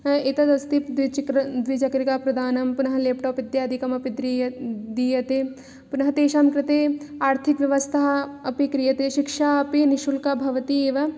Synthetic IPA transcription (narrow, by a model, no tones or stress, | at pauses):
it̪ɐd̪ɐst̪ipd̪ʋit͡ʃkɾɐd̪ʋid͡ʒɐkɾikaːpɾɐd̪aːnɐmpunɐɦɐ̆leːpʈoːpid̪jaːd̪ʱikɐmɐpid̪ɾid̪iːjɐt̪eː | punɐɦɐt̪eːʃaːmkɾɪt̪eːaːɾt̪ʰikʋjɐʋɐst̪ʰɐɦɐɐpikɾijɐt̪eːʃikʃaːɐpiniʃulkabʱɐʋɐt̪ieːʋɐ